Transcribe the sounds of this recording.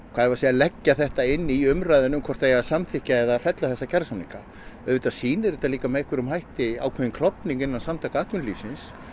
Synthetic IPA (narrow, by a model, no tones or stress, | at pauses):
kʰvaːðɛvasɛalɛcːaθɛht̪aɪnːiiʏmɾajðɪnʏmkʰvɔɾt̪ajasamθɪhcaɛðafɛt̪laθɛsːacʰaɾsamniŋka | œðɪt̪asiːnɪɾɪt̪aliːkamɛehkvɪɾʏmɦajht̪ɪa̰wkʰvɛðɪnkʰlɔpniŋkɪnːansamt̪ʰakaaːht̪vʏnliːsɪns